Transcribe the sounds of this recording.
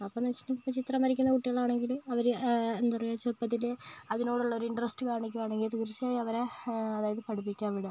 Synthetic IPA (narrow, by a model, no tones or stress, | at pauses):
ɐpːonɐt͡ɕːi̥nːipːot͡ɕit̪rɐmɐɾikʲːunːɐkuʈːiɣɐɭaːɳe̞ŋɡiluɐʋɐɾenːupɐrijut͡ɕerpːɐt̪ːileɐðino̞ːɽuɭːɐoɾuiɳɖrɐsʈɨkaːɳikʲːumaːɳe̞ŋɡilt̪iɡrsijaːjiɐʋɐɾeɐðaːjɐðɨpɐʈipːikʲːaːʋiɽɐ